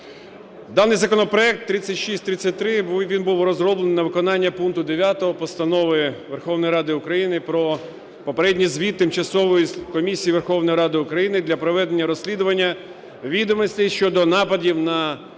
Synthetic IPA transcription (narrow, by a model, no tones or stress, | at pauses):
d̪ɑnɪjzɐkɔnɔpɾɔɛk̚t̪ːɾɪt͡sʲːɐtʲʃisʲtʲt̪ɾɪt͡sʲːɐt̚ʲt̪ɾɪʋʲinbuwrɔzrɔblˠennɐʋɪkɔnɑnʲːɐpunkt̪ʊd̪eʋʲjat̪ɔɦɔpɔst̪ɐnɔʋɪʋerxɔwnɔjɾɑd̪ɪʊkɾɐjinɪpɾɔ | pɔpeɾɛdʲnʲizʲʋʲit̪t̪ːɪmt͡ʃɐsɔʋɔjikɔmʲisʲijiʋerxɔwnɔjɾɑd̪ɪʊkɾɐjinɪd̪lʲɐpɾɔʋɛd̪enʲːɐɾɔsʲlʲid̪ʊʋɐnʲːɐ | ʋʲid̪ɔmɪsʲlʲiʃt͡ʃɔd̪ɔnɑpɐdʲiwnɐ